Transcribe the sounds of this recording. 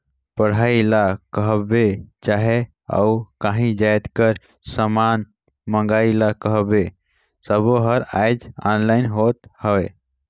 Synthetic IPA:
pəɽ̤ailakəɦbet͡ʃaɦe | a̰ukãɦĩd͡ʒajt̪kəɾ | səman | məŋɡailakəɦbe | səboɦəɾajd͡ʒanlaɪnɦot̪həwɛ

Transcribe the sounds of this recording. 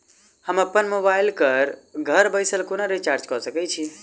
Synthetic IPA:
həməpːənmobaɪlkəɾɡʱəɾbəɪsəlkonaɾit͡ʃaɾd͡ʒkɔsəkɛt͡ʃʰi

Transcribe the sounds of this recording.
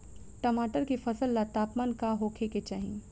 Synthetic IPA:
ʈɐmaːʈəɾkifɐsəlːat̪aːpmaːnkaɦoːkʰeket͡ʃaːɦḭ̃

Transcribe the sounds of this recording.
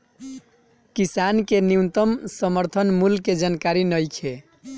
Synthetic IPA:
kisankeniwnt̪əmsəməɾt̪ʰənmulked͡ʒankaɾinəjkʰe

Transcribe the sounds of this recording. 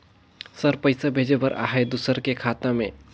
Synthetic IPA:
səɾpəɪsabʱeːd͡ʒebəɾʔa̰ːɦed̪ʊsəɾkekʰaːt̪ãmḛ̃

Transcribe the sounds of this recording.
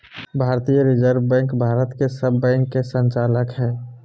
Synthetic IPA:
bʱaːɾt̪ijəɾɪd͡ʒəɾbɛ̃ːŋkbʱaːɾət̪kesəbːɛ̃ːŋkːesə̃nt͡ʃaːləkɦɛː

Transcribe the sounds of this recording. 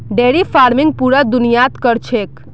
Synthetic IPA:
ɖeɽipʰaɾmiŋɡ̚puɾad̪unijat̪kəɾt͡ʃʰek

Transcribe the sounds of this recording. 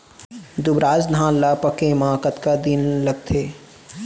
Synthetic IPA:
d̪ʊbɾaːzd̪ʱãːnlaːpəkẽmãːkət̪kad̪inlɐɡ̚t̪ʰeː

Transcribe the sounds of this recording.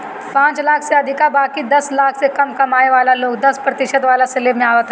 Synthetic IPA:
pãːt͡ʃlaːkʰseɐd̪ʱɪkabaːkid̪ɐslaːkʰsekɐmkɐmaːeʋaːlaloːɡd̪ɐspɾɐt̪ɪʃəd̪ʋaːlaseleːbmẽaːʋət̪ː

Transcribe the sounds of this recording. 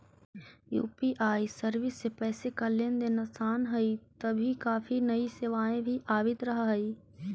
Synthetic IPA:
jṵːpiʔaːisɐɾʋɪsːepɛːsekɐljənd̪eːnasaːnɦɐit̪ɐbʱikaːfinɐiseːʋaːẽbʱiʔaːbɪt̪ɾɐɦɦɐiː

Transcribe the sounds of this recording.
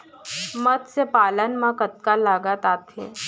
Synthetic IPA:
mət̪t͡sepalanmakət̪̚kalːaɡat̪at̪ʰḛ

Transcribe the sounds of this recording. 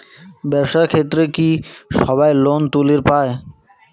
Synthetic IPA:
bɛbʃakʰet̪ɾekiʃɔbaelont̪uleɾpae

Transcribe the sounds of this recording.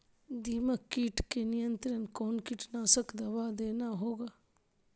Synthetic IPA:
d̪iːməkːiːʈkenɪjənt̪ɾənkoːnkiːʈnaːsəkd̪ɐʋaːd̪eːnaɦoːɡaː

